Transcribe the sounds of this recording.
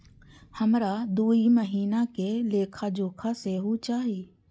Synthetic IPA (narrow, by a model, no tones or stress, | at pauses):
həmɾad̪uːiməɦiːnakeleːkʰad͡ʒoːkʰaseɦut͡ʃaːɦieː